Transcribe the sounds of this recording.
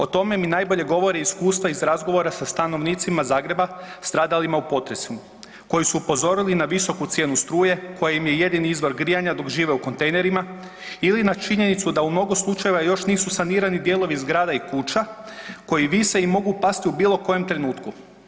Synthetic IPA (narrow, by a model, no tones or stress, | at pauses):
o̞t̪o̞me̞minajbo̞ʎe̞ɡo̞ʋo̞ɾiiskuːst̪ʋaizɾazɡo̞ʋo̞ɾasast̪ano̞ʋniːt̪simazaːɡɾe̞bast̪ɾaːd̪alimaupo̞t̪ɾe̞si | ko̞jisuːpo̞zo̞ɾilinaʋiso̞kut̪sjenust̪ɾuːje̞ko̞jaimje̞je̞d̪iniizʋo̞ɾɡɾijaɲad̪o̞kʒiːʋe̞uko̞nt̪e̞jne̞ɾima | ilinat͡ʃiɲe̞nit̪sud̪aumno̞ɡoslˠut͡ʃajeʋajo̞ʃniːsusaniːɾanid̪jelˠo̞ʋizɡɾaːd̪aikut͡ʃako̞jiʋiseimo̞ɡupast̪iubiːlˠo̞ko̞je̞mt̪ɾe̞nuːt̪ku